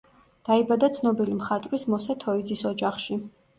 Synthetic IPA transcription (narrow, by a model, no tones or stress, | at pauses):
d̪̥aibad̪at̪sʰnɔbilimχat̪ʼɾismɔsat̪ʰɔid̪zisɔd͡ʒaχʃi